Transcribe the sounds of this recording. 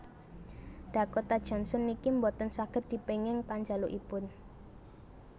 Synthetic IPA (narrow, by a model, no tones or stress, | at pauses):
ɖ̥a̤kot̪ad̥ʒ̥ɔ̤nsɔnikimbɔt̪ənsaɡ̥ət̪̚d̪̥i̤peŋɪŋpaɲd͡ʒaloʔipʊn